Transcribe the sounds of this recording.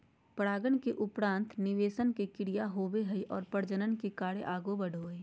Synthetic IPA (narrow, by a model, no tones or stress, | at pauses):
pəɽaːɡəɳkeʔʊpɾãːnt̪nɪʋeːʃənkekɪɽijaɦoːʋeɦəiʔɔːɾpəɽd͡ʒənənkekaːɽeʔaːɡobəɽʱoːeː